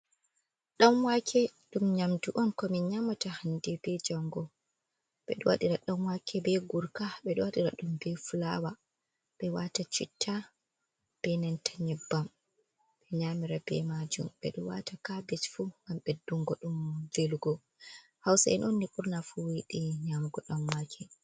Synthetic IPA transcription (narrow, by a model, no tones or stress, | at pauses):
ɗamwakʰɛɗumɲamduʔɔnkɔmiɲamatahandɛbɛd͡ʒɔŋɡɔ | ɓɛɗɔ̰wa̰ɗiɾaɗɔnwakʰɛbɛɡuɾkaɓɛɗɔwaɗiɾa̰ɗumbɛfulawa | ɓɛwatat͡ʃḭtʰːa | b̥ɛnɛntʰḁɲɛbːam | bɛɲamiɾabɛ̰mad͡ʒṵmɓɛ̰ɗɔwa̰takabɛt͡ʃfuɡamɓɛduŋɡɔɗumd͡ʒeluɡɔ | hawsaɛ̰nonːikuɾnafuwiɗiɲamɡɔɗɔnwakʰɛ